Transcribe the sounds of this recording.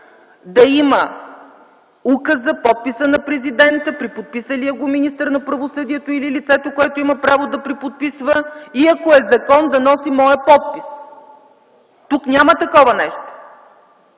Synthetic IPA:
d̪ɐimə | ukəsɐpɔt̪̚pisənɐpɾɛzid̪ɛnt̪əpɾipot̪̚pisəliəɡominist̪əɾnɐpɾɐvosɤd̪iɛt̪oililit̪sɛt̪okoɛt̪oimɐpɾavod̪ɐpɾipot̪̚pisvəiɐkoɛzɐkɔnd̪ɐnɔsimɔjəpɔt̪̚pis | t̪uknʲamət̪ɐkɔvɐnɛʃt̪o̥

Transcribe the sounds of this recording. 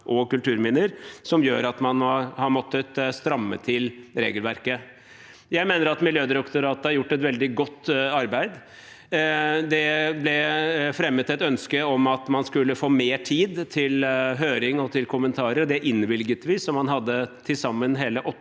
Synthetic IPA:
ʔɔkʉlt̪ʰʉːɾmɪnəɾsɔmjøːɾɑt̪mɑnɔhɑɾmɔt̪ːət̪st̪ɾɑmːə̰t̪ʰɪlɾḛːɡəlʋæɾkə | jæɪmeːnəɾɑt̪mɪljøːd̪ɾɔkt̪ɔɾɑːt̪əɑɾjʊʈːɛt̪ʋɛld̪ɪɡɔt̪ːɑɾbæɪd̪ | d̪ɛblɛfɾɛmːət̪ɛt̪œnskəɔmɑt̪mɑnskʉlːəfoːmeːʈʰiːd̪t̪ʰɪlɦøːɾɪŋɔt̪ʰɪlkʰʊmːənt̪ʰɑːɾəɾd̪ɛʔɪnːʋɪlɡət̪ʋiːsɔmhɑnɦɑd̪ːət̪ʰɪsɑmːənɦeːləʔɔ

